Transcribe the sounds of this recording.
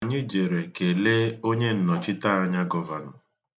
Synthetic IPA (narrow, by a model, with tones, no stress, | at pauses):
a˨ɲi˦d͡ʒe˨ɾe˨ke˨le˦o˦ɲe˦n̩˦nɔ˨t͡ʃɪ˦ta˦a˦ɲa˦ɡɔ˦va˨nɔ˨